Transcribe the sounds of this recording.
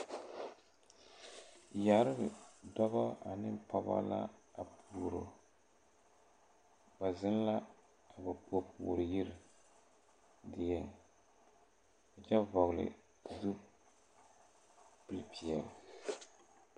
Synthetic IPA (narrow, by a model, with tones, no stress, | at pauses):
ja˨ɾɨ˦bɨ˨dɔ˦βa˦a˨nɨ˦mpa˦ba̰˦la̰˦a˨pʰuː˨ɾo˨ | ba˨zɪ˦n˦la˦ | a˨ba˨po˦pʰuː˨ɾɨ˨ji˦ɾɪ˨ | dɪ˨jɛ˦ŋ | a˨d͡ʒɛ˦vɔ˨ɣlɨ̰˨ | du˦ | pɨ˦lpʰi˨ɛ˨l